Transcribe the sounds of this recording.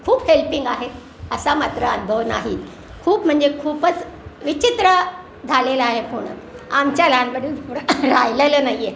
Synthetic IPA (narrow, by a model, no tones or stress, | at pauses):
kʰuːphelpiŋɡaɦe | əsamat̪ɾəənubʱəʋna̰ɦiːt̪ | kʰuːpm̤əɳd͡zekʰuːpət͡sʋit͡ɕit̪ɾə | d͡zʱaleləaɦepoɽ̃ə̰ | amt͡ɕjalanbəɽiuɽɾajlələnaie